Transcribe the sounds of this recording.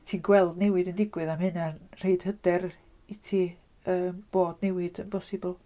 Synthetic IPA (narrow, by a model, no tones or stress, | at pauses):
tʰiːnɡwɛlˠdnɛwɨdəndɪɡwɨðamhɨnar̥eɨd̥hədɛr | itʰiː | əːmb̥oːdnɛwɨd̥ənpʰɔsɨbʊlˠ